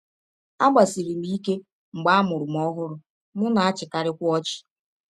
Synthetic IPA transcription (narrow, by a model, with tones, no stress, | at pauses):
a˦ɡ͡ba˨si˨ɾi˨mi˦i˦ke˦ | ŋ͡m̩˨ɡ͡ba˦a˦mʊ˨ɾʊ˨m̩˦ɔ˦ɦʊ˦ɾʊ˦ | mʊ˦na˨a˦t͡ʃɪ˨ka˨ɾɪ˦kʷʊ˦ɔ˦t͡ʃɪ̥˨